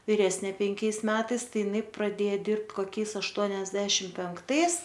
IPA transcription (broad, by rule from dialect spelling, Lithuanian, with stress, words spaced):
ʋʲɪˈrʲæːsʲnʲeː pʲɛŋʲˈkʲɛɪs ˈmʲæːtɐɪs ˈtɐɪ ɪˈnɐɪ prɐˈdʲeːjɛ ˈdʲɪrpt koːˈkʲɛɪs ɐʃˈtuɔnʲɛzʲdʲɛʃʲɪm pʲɛŋkˈtɐɪs